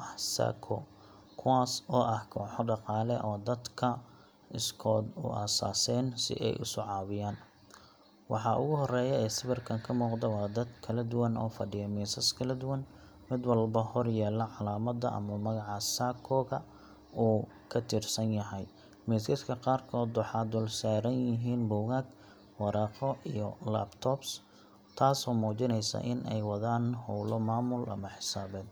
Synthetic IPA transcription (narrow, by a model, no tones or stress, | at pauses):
ʔɐħsa̰ːkʰɔ̰ | kʰʊwaːsɔːʔɐhkʰɔːħɔɖɑqɑːlɛʔɔːd̪ɐd̪kʰɐ | ɪskʰɔːd̪ʊ̰ʔɐ̰sa̰ːsɛːnsɪ̰ʔɛ̰jʔʊ̰sʊʕɑːwɪjaːn | wɑ̰ħɑʔʊ̰ɣʊɦɔrɛːjɛɛːsɪβɪrkʰɐŋkʰɐmuːqd̪ɛwɑːd̪ɐd̪kʰɐlɐd̪ʊwɐnɔ̰ːfɐɖɪjɐmiːsɐskʰɐlɐd̪ʊwɐn | mɪd̪wɑlbɐhɔrjɛːlɐʕɑlaːmɐd̪ɐʔɐ̰mɐmɐɣɑʕɑsaːkʰɔːɣɐ | uː | kʰɐt̪ʰiːrsɐnjɐɦɛj | miːskɪskʰɐqɑːrkʰɔːd̪wɑħɑːd̪ʊlsaːɾɐnjɪɦiːnbɔwɣaːɡ | wɑɾɑːqɔʔijɔla̰ːbt̪ʰɔːbs | t̪ʰaːsɔːmuːt͡ʃɪnɛjsɐ̰ʔɪnʔɛ̰jwɑðaːnhɔwlɔmaːmʊlʔɐ̰mɐħɪ̥saːbɛːd̪̚